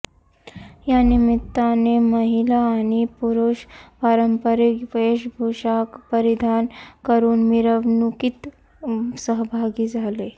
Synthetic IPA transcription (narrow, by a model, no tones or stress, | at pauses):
janimit̪ːaneməɦilaːñipuɾuʃpaɾəmpəɾikʋeeɕbʱoɕakpəɾid̪ʱankəɾuːnmiɾəʋnukit̪ | səɦbʱaɡid͡zʱale